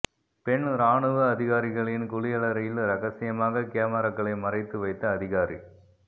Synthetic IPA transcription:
pɛɳɾaːɳɯʋɐɐðɪɣaːɾɪɣɐɭɪnkʊɭɪjɐɭɐɾɐjɪlɾɐɣɐsɪjɐmaːɣɐkɪjaːmɐɾɐŋɡɐɭɐɪmɐrɐɪt̪ːɯʋɐɪt̪ːɐːðɪɣaːɾi

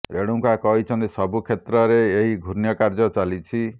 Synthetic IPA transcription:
ɾeɽ̃uŋkakɔɦit͡ʃʰɔnt̪isɔbukʰet̪ɾɔɾeːɦiɡʱuɾnjɔkaɾd͡ʒɔt͡ʃalit͡ʃʰi

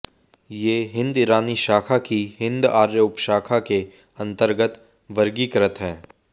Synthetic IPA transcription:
jeːɦɪ̃nd̪iɾaːniʃaːkʰakihɪ̃nd̪aːɾjəʊpʃaːkʰake | ɐ̃nt̪əɾɡət̪ | ʋɐɾɡikɐɾət̪ɦɛ̃ː

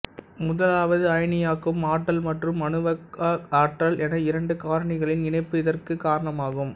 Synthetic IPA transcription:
mʊðɐlaːʋɐðɯɐjnɪjaːkːɯmaːʈːɐlmɐʈrɯmːɐnɯʋɐaːʈrɐlɛnɐɪɾɐɳɖɯkaːɾɐɳɪɣɐɭɪnɪɳɐɪpːɯɪðɐrkɯkːaːɾɐɳɐmaːɣɯm

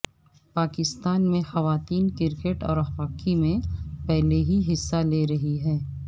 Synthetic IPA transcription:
paːkɪst̪aːnmẽxɐʋaːt̪iːnkɪɾkeʈɔ̰ːɾɐxʋaːkimẽpɛɦleɦiɦɪsːaleːɾɐɦiɦɛː

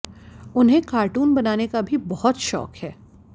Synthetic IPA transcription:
ʊnɦẽkaːɾʈuːnbɐnaːnekabʱibɔɦʊt̪ʃɔ̰ːkhɛː

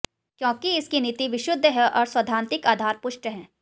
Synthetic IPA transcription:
kjõːkiɪskinit̪iʋɪʃʊd̪ʱːəɦɛʔɔːɾswɐd̪ʱaːnt̪ɪkaːd̪ʱaːɾpʊʃʈəɦɛ̃ː

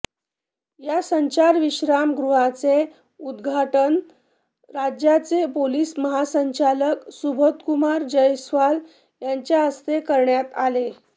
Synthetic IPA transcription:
jasəɲt͡ɕaɾʋiɕɾamɡɾuɦat͡se | ud̪ɡʱaʈən | ɾad͡ʑjat͡sepoliːsməɦasəɲt͡ɕaləksubʱot̪kumaɾd͡ʑəjsʋal | jaɲt͡ɕjaəst̪ekəɾɳjat̪ale

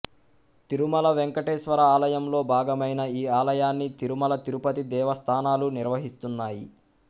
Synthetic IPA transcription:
t̪iɾumɐlɐʋeŋkɐʈeːʃʋɐɾɐaːlɐjɐmlo̞ːbʱaːɡɐmɐjnɐiːaːlɐjaːnːit̪iɾumɐlɐt̪iɾupɐt̪id̪ɛːʋɐst̪ʰaːnaːluniɾʋɐɦist̪unːaːji

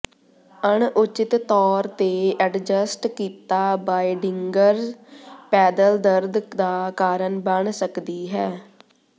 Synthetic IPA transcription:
əɳʊt͡ʃɪt̪t̪ɔːɾt̪eːɛɖd͡ʒəsʈkiːt̪aːbaːiɖɪŋɡəɾzpɛːd̪əld̪əɾd̪d̪aːkaːɾəɳbəɳsəkd̪iːɦɛː

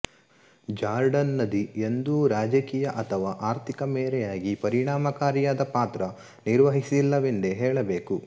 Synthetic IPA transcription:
d͡ʒaːɾɖɐnːɐd̪ie̞nd̪uɾaːd͡ʒɐkiːjɐʔɐt̪ʰɐʋaːʔaːɾt̪ʰikɐmɛːɾɛjaːɡipɐɾiɳaːmɐkaːɾjaːd̪ɐpaːt̪ɾɐ | niɾʋɐɦisilːɐʋend̪eɦɛːɭɐbeːku

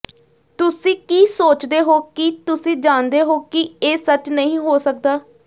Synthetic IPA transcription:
t̪ʊsĩːkiːsoːt͡ʃd̪eːɦoːkit̪ʊsĩːd͡ʒãːnd̪eːɦoːkieːsət͡ʃnəĩːɦoːsək̚d̪aː

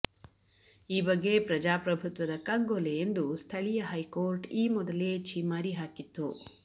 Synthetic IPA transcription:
iːbɐɡːe̞pɾɐd͡ʒaːpɾɐbʱut̪ʋɐd̪ɐkɐɡoleend̪ust̪ʰɐɭijɐɦɐjkoːɾʈiːmɔd̪ɐle̞t͡ʃʰiːmaːɾiɦaːkit̪ːu

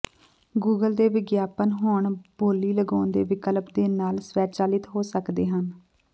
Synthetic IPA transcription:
ɡuːɡəld̪eːʋɪɡjaːpənɦoːɳb̥oːliːləɡãːnd̪eːʋɪkəlpd̪eːnaːlsʋɛːt͡ʃaːlɪt̪ɦoːsəkd̪eːɦən

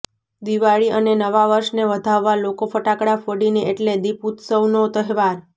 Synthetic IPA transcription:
d̪iʋaɭiənenəʋaʋəɾʃneʋəd̪ʱaʋːalokofəʈakɽafəɽinieʈled̪iput̪səwnot̪əɦʋaɾ

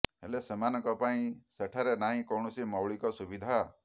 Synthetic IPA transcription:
ɦelesemanɔkɔpaĩseʈʰaɾenaɦĩkɔwɳ̃ɔsimɔwɭikɔsubid̪ʱa

